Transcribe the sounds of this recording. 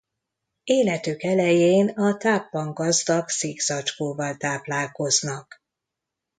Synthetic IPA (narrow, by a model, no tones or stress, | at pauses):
eːlɛt̪ykɛlɛjeːnɒt̪aːpːɒŋɡɒzd̪ɒksiːɡzɒt͡ʃkoːvɒlt̪aːplaːlko̞znɒk